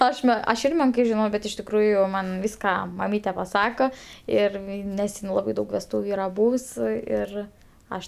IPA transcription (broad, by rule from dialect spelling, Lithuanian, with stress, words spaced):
ˈɐʃ ˈmʲɛ ɐʃ ˈɪr ˈmʲɛŋkɐɪ ʒʲɪˈnɐʊ bʲɛt ɪʃ tʲɪkˈruːjʊ ˈmɐn ˈʋʲiːskɐ mɐˈmʲiːtʲɛ pɐˈsɑːkoː ˈɪr ˈnʲɛs ɪn ˈlˠɑːbɐɪ ˈdɐʊk ʋʲɛsˈtuːʋʲʊ ˈiːrɐ ˈbuːws ˈɪr ˈɐʃ